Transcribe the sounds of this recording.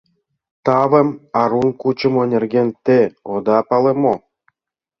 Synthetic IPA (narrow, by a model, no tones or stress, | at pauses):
t̪ɑvə̆mɑɾunkut͡ɕɤ̆mŏnʲĕrɡʲenʲt̪eod̪ɑpɑlemo